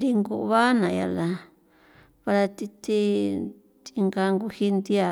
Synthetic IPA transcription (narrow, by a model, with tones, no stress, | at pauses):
ɾi˧ŋɡu˧˨˧βa˦nã˨˧ja̰˧la˧ | βa˧ɾa˧t̪i˧t̪i˦ | t̪i˧ŋɡa˧ŋɡu˧hi˧nd̪i˦a˧˨